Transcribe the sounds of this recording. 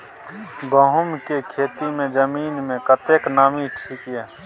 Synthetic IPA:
bəɦʊmkekʰeːt̪imẽd͡ʒəmiːnmẽkət̪eknaːmiʈʰiːkɛː

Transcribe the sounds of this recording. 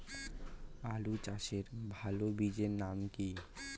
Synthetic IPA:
alut͡ɕaʃeɾbʱalobid͡ʑeɾnamki

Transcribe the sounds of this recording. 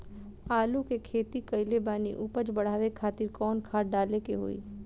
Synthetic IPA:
aːlukekʰeːt̪ikɐɪlebaːnḭʔʊpət͡ʃbɐɽ̤aːʋekʰaːt̪ɪɾkɔːnkʰaːɽɖaːlekeɦo̰ːḭː

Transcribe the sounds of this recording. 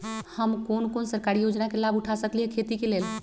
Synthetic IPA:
həmkonkonsəɾkaɾijod͡ʒnakelabʱuʈʰasəkliɦɛkʰet̪ikelel

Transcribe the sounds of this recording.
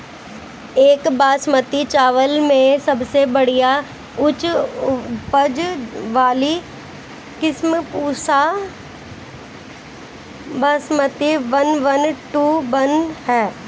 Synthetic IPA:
eːkbaːsmət̪it͡ʃaːʋəlmẽsɐbsebɐɽ̤ija | ʊt͡ʃ | pəd͡ʒʋaːli | kɪsmpuːsa | baːsmət̪iʋɐnʋɐnʈuːbɐnhɛː

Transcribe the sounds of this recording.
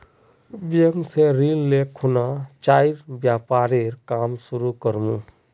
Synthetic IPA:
bijəŋseɾilːekʰunat͡ʃaiɾbjapaɾeɾkamsuɾukəɾmũ

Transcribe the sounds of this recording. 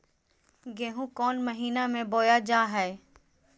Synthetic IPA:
ɡeːɦũkɔːnməɦiːnamẽboːjad͡ʒaːɦɛː

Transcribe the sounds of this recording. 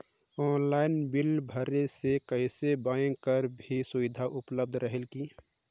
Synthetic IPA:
ɔːnlaːɪnbɪlbʱəɾesekəɪsebaːjə̃kəɾbʱisʊʋɪd̪ʱaʔʊpləb̚d̪ʱɾəɦelki

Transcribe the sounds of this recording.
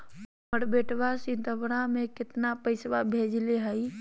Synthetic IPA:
məɽbeʈbasint̪əbɽamekɪt̪napəɪsbabʱed͡ʒleɦəj

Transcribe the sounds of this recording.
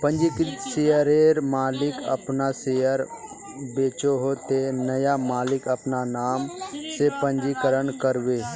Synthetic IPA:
pə̃ɲd͡ʒiksejəɾeːɾmaːlɪkɐ̰pnasejəɾ | beːt͡ʃoɦot̪enɐjamaːlɪkɐpnanaːmsepə̃ɲd͡ʒikəɾənkəɾʋeː

